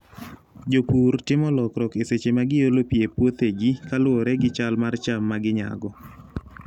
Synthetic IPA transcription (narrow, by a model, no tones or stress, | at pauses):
d͡ʒopuɾtɪmɔlɔkɾɔkeset͡ʃemaɡɪjolopijepwot̪eɡikalwoɾɛɡɪt͡ʃalmart͡ʃamːaɡɪɲa̰ɡɔ